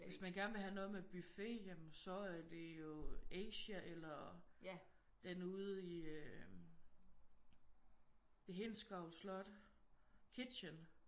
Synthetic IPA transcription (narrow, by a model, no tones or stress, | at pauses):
ʋe̝smænɡ̥æɐnʋe̝ɦænɔ̽ːð̩ˠmeb̥yfe̝̰jæmn̩sɒ̽æɐd̥e̝jo̝eɪɕæʔelɐ | d̥enuð̞̩ˠiø | eɦensɡ̥ʁɑ̈ʊlslɒ̽d̥ | kʰid̥ɕən